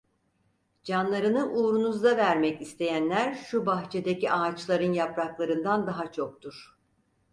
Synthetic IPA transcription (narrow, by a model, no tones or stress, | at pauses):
d͡ʒanlˠaɾɯnɯʔuːɾunuzd̪avæɾmɛcist̪ʰe̞jænlʲæɾʃubaxt͡ʃʰe̞d̪eciʔaːt͡ʃlˠaɾɯnjapɾaklˠaɾɯnd̪and̪aɦat͡ʃʰo̞k̚t̪ʰuɾ̥